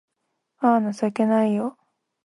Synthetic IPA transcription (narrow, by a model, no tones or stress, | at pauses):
aːnasake̞naijo